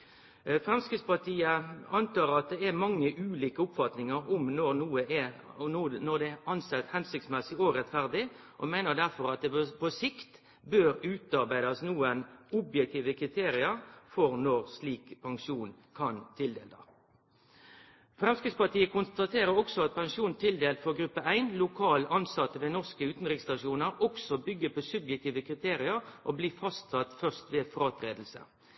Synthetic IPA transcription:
fɾɛmskɾɪd̪spɑʈ̪ʰiːəɑnt̪ɑːʁɑt̪̚d̪ɛæmɑŋːəʔʉːliːkəʊpfɑt̪nɪŋəɾʊmnɔnuːəɛ | nɔd̪ɛɑnsɛt̪hɛnsʏk̚tsmɛsɪɔɾɛt̪fæʁd̪ɪ | ʔɔmæɪnəd̪æɾfɔɾɑt̪̚d̪ɛpʰɔsɪkt̪ | bøːɾʉːt̪ɑɾbæɪd̪ɑsnuːənʊbjɛkt̪ʰiːʋəkʰɾɪt̪ʰeːɾɪəɾfɔʁnɔʁsliːkpʰɑŋʂuːnkʰɑnt̪ʰɪld̪eːld̪ɑ̰ | fʁɛmskɾɪt̪spɑʈiːəkʰʊnst̪ɑt̪ʰeːɾəɾɔksɔɑt̪̚pʰɑŋʃuːnt̪ʰɪld̪eːlt̪fɔɡɾʉpːəæɪnlʊkʰɑːlʔɑnsɑt̪ːəʋeːnɔʁskəʉːt̪nʁɪkst̪ɑʂuːnəɾɔksɔbʏɡːəpʰɔsʉbjɛk̚t̪iːʋəkʰɾɪt̪ʰeːɾɪəɾʔɔbliːfɑst̪sɑt̪fœʁst̪ʋeːfʁɑːt̪ɾeːd̪l̩sə̰

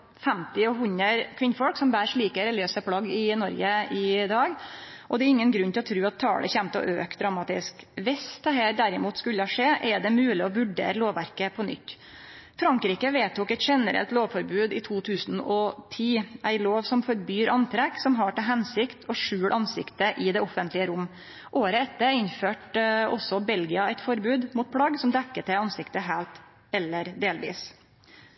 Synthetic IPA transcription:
fɛmt̪ɪɔɦʉnəɾkʰʋɪnfɔlksɔmbæːɾʂɭiːkəɾɛlɪøːsəpʰlɑɡːɪnɔɾɡəɪd̪ɑːɡʔɔd̪ɛɾɪŋːənɡɾʉnːt̪ɪlɔt̪ʰɾʉːɑt̪ʰːɑ̰ːlʔə̰çæmt̪ɔ̰ʔø̰ːk̚d̪ɾɑmɑːt̪ɪskʋɛst̪ɑheːɾɖ̪æɾɪmuːt̪skʉlːəɑʂeːʔɛɖɛmʉːlɪɔʋʉɖḛːɾəloːʋʋæɾkəpʰɔnʏ̰t̪ː | fɾɑŋkɾiːkəʋeːt̪uːkɛɪt̪ʂɛnəɾɛ̰lt̪loːʋfɔɾbʉːd̪ɪt̪ʰuːt̪ʰʉːsnɔt̪ʰiːʔæɪloːʋsɔmfɔɾbyːɾʔɑnt̪ʰɾɛksɔmɦɑʈɪlɦɛnsɪkt̪ʰɔʂʉːɽʔɑnsɪkt̪əʔɪd̪ɛɔfənt̪ʰlɪəɾʊmː | ʔoːɾəɛt̪ːəɾɪɲføːʈɔsːɔbɛlɡɪɑæɪt̪fɔɾbʉːd̪muːt̪̚pʰɽɑɡsɔmd̪ɛkːət̪ʰɛɑnsɪkt̪əɦæːlt̪ | ɛlːəɾd̪eːlʋḭːs

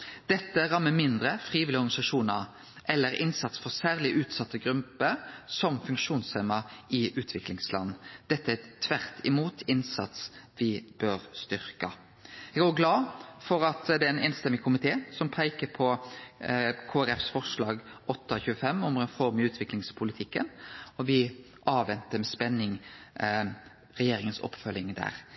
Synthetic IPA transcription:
d̪̥ɛt̪ːəʁɑmːəmɪnd̪ɾəfʁiːʋɪlɪɔʁɡɑnɪsɑʂuːnəʁ | ʔɛlːəɾɪnsɑt̪sfɔʁsæːʁlɪʔʉːt̪sɑt̪ːəɡɾʉmpəsɔmfʉŋkʂuːnseːmɑɪʔʉːt̪ʰʋɪklɪŋslɑ̰nːd̪̥ɛt̪ːəæt̪ʰːʋæʁt̪ʰɪmuːt̪ʰɪnsɑ̰t̪sʋɪb̥øːɾst̪ʏʁkɑ | ɛɡɡoːɡlɑːfɔɾɑt̪d̪ɛɛːneːnst̪ɛmːɪkʰʊmɪt̪ʰeːsɔmpʰæɪkəɾpʰɔ | kʰoːæɾɛfsfɔʁʂlɑːɡɔt̪ːɑçʉːəfɛmːʊmʁɛnfɔʁmɪʉːt̪ʰʋɪklɪŋspʰʊlɪt̪ʰɪkːənɔʋɪ | ʔɑːʋɛnt̪əmɛspɛnːɪŋ | ɾɛjeːɾɪŋənsɔ̰pːfœlɪŋd̪æ̰ːʁ

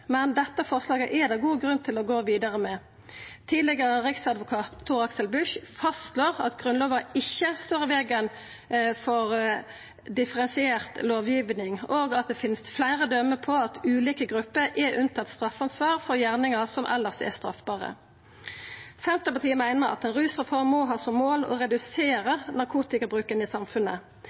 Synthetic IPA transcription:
mɛnd̪ɛt̪ːəfɔʁslɑːɡəʔɛd̪ɑːɡuːɡʁʉnt̪ʰɪlɔɡoːʋiːd̪ɑʁəmɛ | t̪ʰiːd̪lɪɡəʁəʁɪksɑd̪ʋʊkʰɑːt̪ʰːuʁɑksəlbʉʃfɑstloːʁɑ̰t̪ɡʁʉnloːʋɑɪçːəst̪oːʁɪʋeːɡən | fɔʁ | d̪ɪfəʁɛnsɪeːʁt̪loːʋjiːʋnɪŋoːɡɑt̪̚d̪ɛfɪnsflæɪʁəd̪œmːəpʰɔɑt̪ʉːliːkəɡʁʉpːəʁʔɛʁʉnt̪ʰɑt̪ːst̪ʁɑfːɑnsʋɑːʁfɔʁjæʁnɪŋəsɔmʔɛ̰lːəʁsɛ̰st̪ʁɑ̰fbɑːʁə̰ | sɛnt̪ʁəpɑt̪ʰiːəmæɪnəʁɑ̰t̪ɛnʁʉːsəfɔʁmːɔɦɑːsɔmːoːlɔ̰ʁɛd̪ʉseːʁənɑʁkʰuːt̪ɪkɑbʁʉːkənɪːsɑmfʉnə̰

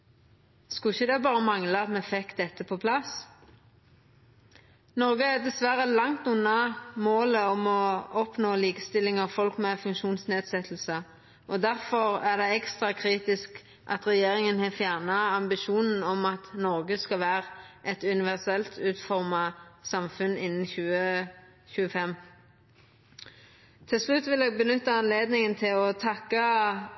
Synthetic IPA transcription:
skʉɪçəd̪ɛbɑːʁəmɑŋləɑt̪mɛfɛkd̪ɛt̪ːəpʰɔpʰlɑs | nɔʁɡəæd̪ɛsʋæɾəlɑŋt̪ʉnːɑmoːləɔmɔɔpnoːliːkəst̪ɪlːɪŋɑʋfɔlkmɛfʉŋkʃuːnsneːd̪sɛt̪ʰl̩sə | ɔd̪æʁfɔʁæd̪ɛɛkst̪ʁɑkʰɾiːt̪ɪsk | ʔɑ̰t̪ʁɛjeːɾɪŋənhɛfjæʁnɑɑmbɪʃuːnn̩ɔmɑt̪nɔɾɡəskɑʋæːɾəʔɛt̪ʉnɪʋæʁsɛlt̪ʰʉːt̪fɔʁmɑsɑmfʉnɪnːn̩çʉːə | çʉːəfɛmː | t̪ʰɪlslʉt̪ːʋɪlɛːɡ̚bənʏt̪ːəɑnleːd̪nɪŋənt̪ʰɪlɔt̪ʰɑkːə

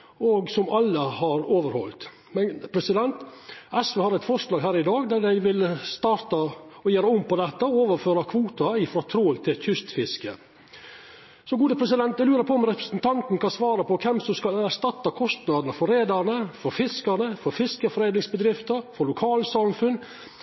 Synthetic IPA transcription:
ɔɡsɔmɑlːəhɑɾoːʋəɾhɔ̰lt̪ | mɛpʰɾɛsɪd̪ɛnt̪ɛsʋøːhɑɾɛɪt̪fɔʂlɑːɡɦæːɾɪd̪ɑːɡd̪æd̪æɪʋɪlst̪ɑːɾt̪ɑɔjeːɾəɔmpɔd̪ɛt̪ːəɔoːʋəɾføːɾɑkʰʋuːt̪ɑɪfɾɑːt̪ʰɾoːlt̪ʰɪlt̪ʰʏst̪fɪskə̰ | sɔɡuːd̪əpʰɾɛsɪd̪ɛnt̪d̪ɛlʉːɾəɾpʰɔɔmɾɛpɾə̥snt̪ʰɑnt̪nkʰɑnsʋɑːɾəpɔkʰɛmsɔmskɑlæɾʂt̪ɑt̪ːɑkʰɔst̪nɑːd̪ənəfɔɾeːd̪ɑnəfɔɾfɪskɑɾnəfɔɾfɪskəfɔɾeːd̪nɪŋsbəd̪ɾɪft̪əɾfɔɾɭʊkʰɑːlsɑmfʉnː

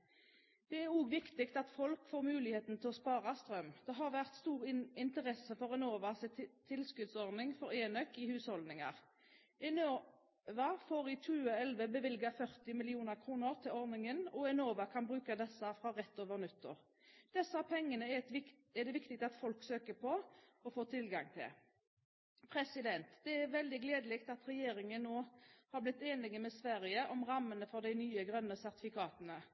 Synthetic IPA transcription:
d̪̥ɛæɾuːɡʋɪkt̪ɪkt̪ɑt̪fɔlkfoːʁmʉːlɪheːt̪n̩t̪ʰɪlɔspɑːʁɑst̪ʁœmd̪̥ɛɦɑʁʋæʁt̪st̪uːʁɪnt̪əʁɛsəfɔʁɛnoːʋɑst̪ʰːɪlskʉd̪sɔʁnɪŋfɔɾeːnœkːɪhʉːshɔld̪nɪŋɑ̰ʁ | ɛno | ʋɑfoːɾɪt̪ʰʉːəɛlʋəbəʋɪlɡɑfœʁt̪ɪmɪlɪuːnəʁkʰɾuːnəʁt̪ʰɪlɔʁnɪŋənɔɛnoːʋɑkʰɑnbɾʉːkəd̪ɛsːəfɾɑʁɛt̪ːoːʋəɾnʉt̪ːə̰ʁ | d̪̥ɛsːəɑpʰɛŋːənəɛd̪ɛʋɪkt̪ɪk̚st̪ɑt̪fɔlksøːkəpɔɔfoːt̪ʰɪlɡɑŋt̪ʰɪ̰l | pʰɾɛsɪd̪ɛnt̪d̪ɛæɾʋɛld̪ɪɡleːd̪əlɛːkt̪ɑt̪ɾɛjeːɾɪŋənnːoːhɑblɪt̪ːeːnɪɡəmɛsʋæʁɪəʔɔmʁɑmːənəfɔɾd̪æɪnyːəɡɾœnːəsæʁt̪ɪ̥fɪkʰɑːt̪ənə

